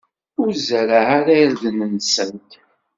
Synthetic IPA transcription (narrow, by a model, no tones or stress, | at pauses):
ʊɾzəɾaaɾajɾðənənsənt̪